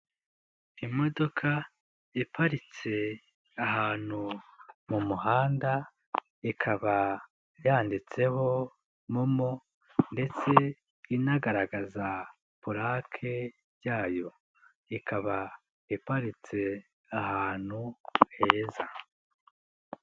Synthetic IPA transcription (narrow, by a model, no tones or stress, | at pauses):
imo̞do̞kʰa | ipaɾit͡se̞ | aɦaːn̥humumuhaːnda | ikʰaβa | jaːndit͡se̞ho̞ | momo | nde̞t͡se̞ | inaɡaɾaɡaza | puɾakʰe̞ | ɾɟaːjo̞ | ikʰaβa | ipaɾit͡se̞ | ahaːn̥huhe̞ːza